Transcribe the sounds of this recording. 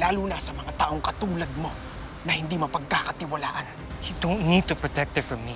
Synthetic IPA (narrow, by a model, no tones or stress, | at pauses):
laːluːnɐsɐmɐŋat̪aːʔoŋkɐt̪uːlɐd̪̚mo̞ | nɐhɪnd̪imɐpɐɡ̚kakɐt̪ɪwɐla̰ːʔɐn | jud̪onid̪̚t̪upɹɔt̪ɛk̚t̪ɛfɹɔmmi